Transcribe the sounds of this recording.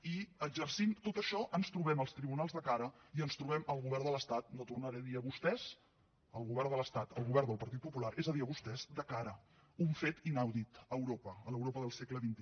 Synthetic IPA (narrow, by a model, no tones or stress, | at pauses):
iəɡd͡ʒərsimt̪ot̪əʃɔʔənst̪ɾuβɛməlˠst̪ɾiβunalˠzðəkaɾəiənst̪ɾuβɛməlˠɣuβɛrd̪ələst̪at̪̚not̪urnəɾɛðiəβust̪ɛz̥ | əlˠɣuβɛɾðələst̪at̪əlˠɣuβɛɾd̪əlˠpəɾt̪it̪pupulaɾʔezəðiəβust̪ɛzd̪əkaɾə | uɱfet̪inawðit̪əwɾopəələwɾopəðəlˠsekləβint̪i